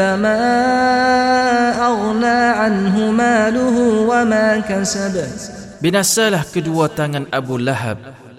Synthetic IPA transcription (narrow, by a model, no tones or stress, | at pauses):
amaːa | ʔɑɣnaːʕanɦʊmaːlʊɦuwamaːkasaba | binasalahkəduat̪aŋanʔabulaɦa̰b̚